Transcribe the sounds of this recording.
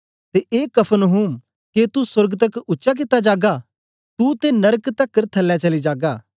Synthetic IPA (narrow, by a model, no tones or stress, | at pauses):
t̪eʔeːkɐpʰənɦuːm | ket̪usʊɾɡt̪̬ɐkʊtːʃak̬ɪt̪ːad͡ʒaːɡa | t̪ut̪enɐɾkt̪ɐkːəɾt̪ʰɐlːɛt͡ʃɐlid͡ʒaːɡaː